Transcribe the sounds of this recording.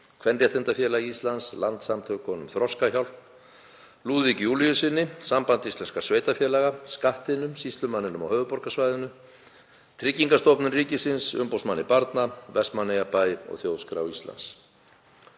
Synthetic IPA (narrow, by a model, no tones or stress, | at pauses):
kʰvɛnrjat̪ʰɪnt̪afjɛːlaɣist̪lanslant̪samt̪ʰœkʰːɔːnʏmθɾɔskaçawl | luːðicjulijʏsɪnːɪsampant̪ist̪ɛnskḁsveːjt̪afjɛːlɛɣaskaht̪ɪnʏmsist̪lʏmanːɪnʏmɔ̰hœːvʏpɔɾkasvajðʏnʏ | t̪ʰɾɪcːiŋkast̪owpnʏmriːcɪsɪnsʏmpowsmanːɪpaɾt̪navɛst̪manejapajɔ̰ɣθjowðskɾa̰wist̪la̰ns